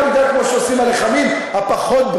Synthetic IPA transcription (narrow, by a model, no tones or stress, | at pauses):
mid̪akmoʃeosimaleχamimhapaχot̪̚b